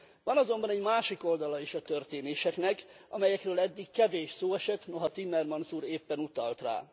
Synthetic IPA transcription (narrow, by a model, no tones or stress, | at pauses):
vɒnɒzo̞mbɒnɛɟmaːʃiko̞ld̪ɒlɒiʃɒt̪ørt̪eːneːʃɛknɛkʔɒmɛjɛkrøːlɛd̪ːikkɛveːʃsoːɛʃɛt̪no̞ɦɒt̪imːɛrmɒnsuːɾeːpːɛnut̪ɒlt̪ra̰ː